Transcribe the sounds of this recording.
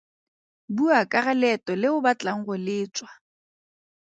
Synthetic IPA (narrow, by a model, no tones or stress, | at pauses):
buakʼaɣalɛtʼɔlɪʊbat͡ɬʼaŋ̩ɣʊlɪːt͡ʃʼwa